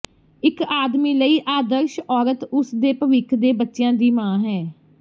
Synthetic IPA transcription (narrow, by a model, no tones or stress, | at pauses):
ɪkaːd̪miːləiːʔaːd̪əɾʃɔːɾət̪ʊsd̪eːpəʋɪkʰd̪eːbətːʃɪjãːd̪iːmãːɦɛː